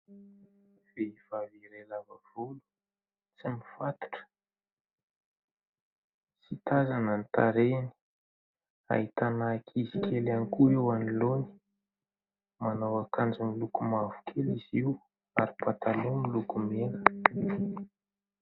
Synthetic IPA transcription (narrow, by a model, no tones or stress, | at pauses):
v̥eiv̥aviɾelava̰v̥olu̥ | t͡simifat̪u̥ʈ͡ʂə̥ | sit̪azanənit̪aɾeni̥ | a̰ɦit̪anakʰizikʰelanikuewaniloni̥ | manawakand͡zimilukumavu̥kʰeliziw | aɾipat̪alumilukumenə̥